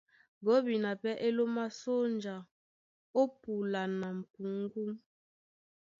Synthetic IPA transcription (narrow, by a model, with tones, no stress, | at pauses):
ɡo˨˦bi˨na˨pɛ˦ʔe˦lo˦ma˦so˦nd͡ʒa˨ | o˦pu˨la˨na˨m̩˨pu˨ŋ˦ɡu˦m